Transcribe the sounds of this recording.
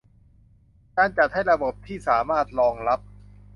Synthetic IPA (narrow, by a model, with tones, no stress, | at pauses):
kaː˧nt͡ɕa˨˩t̪̚ha˥˩jɾa˧bo˨˩p̚t̪ʰiː˥˩saː˩˦maː˥˩t̪̚ɾɔː˧ŋla˦˥p̚